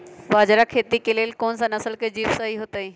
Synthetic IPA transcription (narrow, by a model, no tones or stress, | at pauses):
baːd͡ʑɾakʰeːt̪ikeleːlkoːnsãnɐsəlkʰed͡ʑiːʋsaɦiɦot̪əĩː